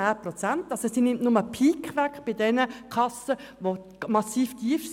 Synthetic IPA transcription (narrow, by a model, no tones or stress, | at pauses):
aːprot͡sæntɑlsosinɪmtnʊməpʰiːkʋækχb̥ɪdɛnəkʰɑsəʋo | mɑsiːftʰiəfs